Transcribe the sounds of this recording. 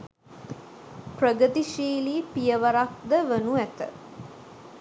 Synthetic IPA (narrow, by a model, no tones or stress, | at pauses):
prəɡət̪iʃiːliːpijəʋəɾak̚d̪əʋənuæt̪ə̰